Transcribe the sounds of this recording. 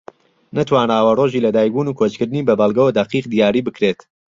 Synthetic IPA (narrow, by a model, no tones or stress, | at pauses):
nɐt̪ʰwaːnaːwɐroʒiːlɐd̪aːjbuːnuːkʰot͡ʃkɨɾd̪ɨniːbɐbɐlˠɡɐwɐd̪ɐqiːq̚d̪ijaːɾiːbɨkɾet̪